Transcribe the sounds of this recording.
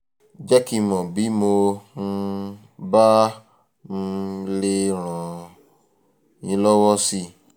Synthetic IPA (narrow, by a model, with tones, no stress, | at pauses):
d͡ʒɛ˦ki˧mɔ̃˨bi˨˦mo˧n̩˧ | ba˦ | m̩˧le˦ɾ̃ɔ̃˨ | ɲĩ˧˦lɔ˦wɔ˦si˦